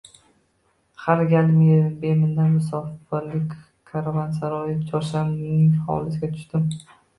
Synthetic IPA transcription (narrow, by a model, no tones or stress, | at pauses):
halɡʲalɪmjed̪ɪmbemɪnd̪anmʊs̬ɒfɪɾlɪkʲ | kʰaɾavans̬aɾɒjɪt͡ʃʰɒɾʃamŋɪŋɒ̰ɒ̰lˠɪsɪɡʲat̪ʰʊ̥ʃt̪ɪm